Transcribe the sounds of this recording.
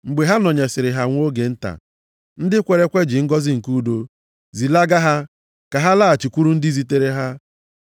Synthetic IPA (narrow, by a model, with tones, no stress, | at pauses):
ŋ͡m̩˨ɡ͡be˨ɦa˦nɔ˨ɲe˨sɪ˨ɾɪ˨ɦa˨ŋʷ˦o˦ɡe˨n̩˦ta̰˨ | n̩˦dɪ˦kʷe˨ɾe˦kʷe˦d͡ʒɪ˨ŋ̩˦ɡɔ˦zɪ˦ŋ̩˨ku˦do˨ | zi˨la˦ɡa˦ɦa˦ | ka˨ɦa˦la˦˨a˨t͡ʃi˨kʷu˦ɾu˦n̩˦dɪ˦zi˦te˦ɾe˦ɦa˦